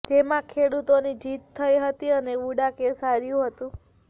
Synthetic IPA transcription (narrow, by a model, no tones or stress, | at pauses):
d͡ʒemãkʰeɽut̪onid͡ʒit̪ʰːəjɦət̪iəneuɽakesaɾjũɦət̪ũ